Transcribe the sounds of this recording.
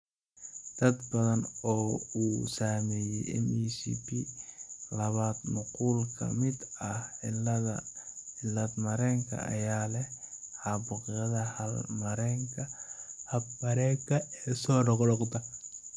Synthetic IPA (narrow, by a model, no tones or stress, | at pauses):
d̪̥ɐd̪bɐðɐnɔːuːsaːmɛːjɛjʔɪ̰niːsḭːpʰi | lɐβaːd̪mʊquːlkʰɐ̰mɪd̪ɐhʕɪlðɐɪlɐd̪mɐɾɛːŋkʰɐ̰ʔɐ̰jaːlɛhħɑbʊqjɐðɐhɐlmɐɾɛːŋkʰɐhɐb̚bɐɾɛːkʰɐɛːsɔːɖɔqɽɔqd̪ɐ